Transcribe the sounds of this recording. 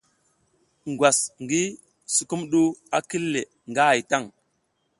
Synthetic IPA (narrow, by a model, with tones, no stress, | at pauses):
ŋɡwa˨sŋɡi˦ | su˨ku˦mɗu˦a˦ki˦lːe˨ | ŋɡa˦a˨jta˦˨ŋ